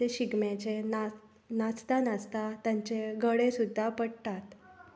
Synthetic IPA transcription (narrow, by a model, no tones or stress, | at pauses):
eɕiɡmjat͡ɕen | nat͡st̪anast̪at̪jãɲt͡ɕeɡəɽesud̪ʱːapəɽt̪at̪